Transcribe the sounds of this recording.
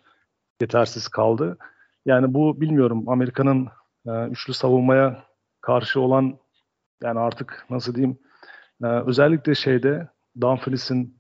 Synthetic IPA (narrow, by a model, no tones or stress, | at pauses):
je̞t̪ʰæɾsiz̥kʰalˠd̪ɯ | jaːnibubilʲmijo̞ɾumame̞ɾikʰanɯnː | yt͡ʃlʲysavunˠmaja | kʰaɾʃɯo̞lˠan | jaːniaɾt̪ʰɯknas̬ɯlˠd̪ejimː | ø̞zɛlʲːicʲlʲɛʃe̞jd̪ɛ | d̪anflʲisin